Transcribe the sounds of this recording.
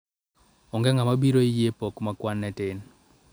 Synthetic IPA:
ɔŋɡɛŋamabiɾoijepɔkmakwanːɛtɪn

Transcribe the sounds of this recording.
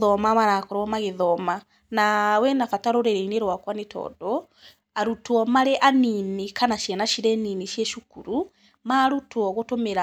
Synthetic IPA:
ðɔmamaɾakɔɾwɔmaɣeðɔma | nawɛnafataɾoɾeɾeineɾwakwanetʰɔ̰ːdɔ | aɾutwɔmaɾɛʔaninekanaʃjɛnaʃiɾɛnineʃiɛʃukuɾu | maːɾutwɔɣotomeɾa

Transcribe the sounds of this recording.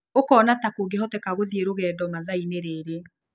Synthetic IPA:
okɔːnatakoɡeɦɔtɛkaɣoðieɾoɣɛːdɔmaðaineɾeɾe

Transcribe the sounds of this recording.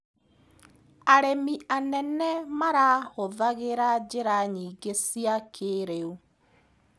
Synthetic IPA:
aɾemianɛnɛmaɾahoðaɣeɾad͡ʑeɾaɲiːɡesiakʰeɾeu

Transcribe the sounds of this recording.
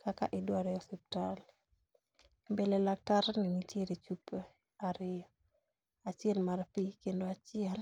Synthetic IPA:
kʰaka̰ʔidwaɾɛɔsɛptal | belelak̚taɾninitjeɾit͡ʃupe | aɾɪɔ | at͡ʃɪelmaɾpikendoat͡ʃɪal

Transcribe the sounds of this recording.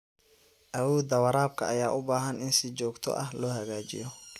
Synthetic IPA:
ʔɐwɔːd̪ɐwɐɾaːb̚kʰɐɐjaːʔʊbaːɦɐnɪnsɪt͡ʃɔːɡt̪ʰɔ̰ʔɐhlɔːhɐɣaːt͡ʃɪ̰jɔ

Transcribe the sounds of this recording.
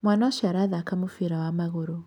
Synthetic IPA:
mwanaaʃaɾaðakamofiɾawamaɣoɾo

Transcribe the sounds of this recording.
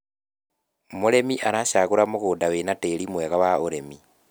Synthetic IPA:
moɾemiʔaɾaʃaɣuɾamoɣuːdawenateɾimweːɣawaoɾemi

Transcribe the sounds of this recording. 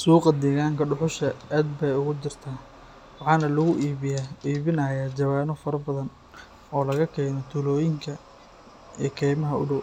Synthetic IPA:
suːqɐd̪ɛːɣaːŋkʰɐɖʊħʊʃɐaːd̪̚bɛjʊɣʊt͡ʃɪrt̪ʰaː | wɑħɑːnɐlɐɣʊʔjiːβɪnɐːjaːd͡ʒɐβaːnɔfɐɾɐbɐðɐn | ɔːlɐɣɐkʰɛːnɔt̪ʰʊlɔːjɪŋkʰɐ | ikʰɛːjmɐɦɐʊ̰ɽʊw

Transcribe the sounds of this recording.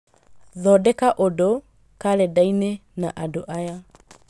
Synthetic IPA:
ðɔdɛkaʔodo | kaɾɛdainenaʔadoʔaja

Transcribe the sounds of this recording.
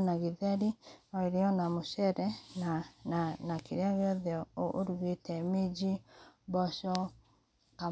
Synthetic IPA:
naɣiðɛɾiɔeɾiɔnamoʃɛɾɛnaanakiɾaɣɛðjɔoʔoɾuɣetɛmed͡ʒibɔʃɔ | ka

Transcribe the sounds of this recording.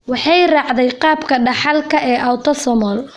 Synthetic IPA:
wɑħɑjrɑʕd̪ɛjqɑːbkʰɐɖɑħɑlkʰɐʔɛːʔawt̪ʰɔsɔmɔl

